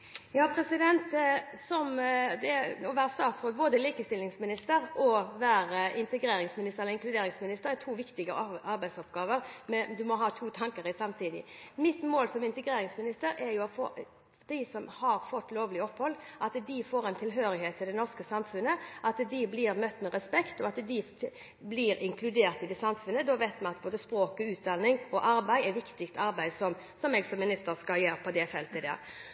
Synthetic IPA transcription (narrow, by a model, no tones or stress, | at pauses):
jɑːpʰɾɛsɪd̪ɛnt̪sɔmd̪ɛɔʋæːɾəst̪ɑːt̪sʁoːɡ̪̚boːd̪əliːkəst̪ɪlnɪŋsmɪnɪst̪əɾɔʋæːɾəʔɪnt̪əɡɾeːɾɪŋsmɪnɪst̪əʁɛləɪŋklʉd̪eːɾɪŋsmɪnɪst̪əɾɛt̪ʰuːʋɪkt̪ɪɡəɑɾbæɪsɔpɡɑːʋəɾmɛd̪ʉmɔɦɑːt̪ʰuːt̪ʰɑŋkəɾɪsɑmt̪ʰiːd̪ɪ̰mɪt̪moːlsɔmɪnt̪əɡɾeːɾɪŋsmɪnɪst̪əɾɛɾjʊɔfoː | d̪̥æɪsɔmhɑɾfɔt̪ːloːʋlɪɔphɔlːʔɑt̪d̪ɪfoːɾɛnt̪ʰɪlɦøːɾɪheːt̪ʰːɪld̪ɛnɔʁskəsɑmfʉnəʔɑt̪d̪ɪblɪɾmœt̪ːmɛɾɛspɛkt̪ɔɑt̪d̪ɪ | blɪɾɪŋkʰlʉd̪eːɾt̪ɪd̪ɛsɑmfʉnːəd̪ɔʋæɪt̪mɛnɑt̪boːd̪əspɾoːkɔʉːt̪̚d̪ɑnːɪŋɔʔɑɾbæɪɛʋɪkt̪ɪkt̪ɑɾbæɪd̪sɔm | sɔmɛɡsɔmːɪnɪst̪əɾskɑljeːɾpʰɔd̪ɛfɛlt̪əɪd̪ɛ̰